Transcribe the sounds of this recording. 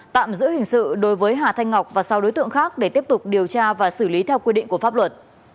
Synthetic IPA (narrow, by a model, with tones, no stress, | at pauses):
t̪a̰ː˧˨mzɨ̰˧˥ɦŋ̟sɨ̰˧˨ɗo˨˦jvəː˨˦jɦaː˨˩t̪ʰa˧jŋ̟ŋa˨˩k͡p̚vaː˨˩sa˨˦wɗo˨˦jt̪ɨ̰˧˨əŋxaː˦˥k̚ɗe˧˩t̪i˦˥əp̚t̪ʊ˨˩k͡p̚ɗi˨˩əwt͡ɕaː˧vaː˨˩sɨ˧˩li˨˦t̪ʰɛ˧wkwi˧ɗḭ˧˨ŋ̟ku˧˩əfaː˦˥p̚lwə˨˩t̚